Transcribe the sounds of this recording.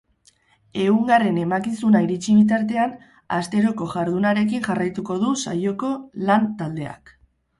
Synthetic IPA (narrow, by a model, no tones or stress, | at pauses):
e̞uŋɡare̞ne̞makisunaiɾit͡ʃiβ̞it̪̬aɾt̪e̞an | a̰st̪e̞ɾo̞ko̞ʝaɾðunaɾe̞k̬iŋʝarajt̪uko̞ðusajo̞ko̞lant̪ald̪e̞a̰k